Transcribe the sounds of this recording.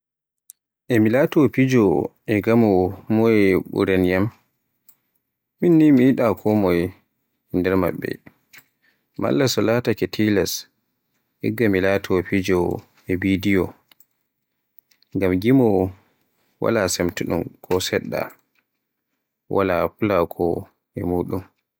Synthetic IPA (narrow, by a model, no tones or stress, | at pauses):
ʔɛmilatɔpid͡ʒɔ | ɛɡamɔmɔjɛɓṵɾɛnjam | minːimiːɗakʰɔmɔj | ndɛɾma̰ɓːɛ̰ | ma̰lːasɔlatakɛtʰilas | ʔɛɡːamilaːtʰɔpid͡ʒɔ | ɛbidijɔ | ŋɡamɡimɔ | wa̰lasɛmtuɗṵmkʰɔsɛɗːa̰ | walapulakʰɔ | ɛmuːɗum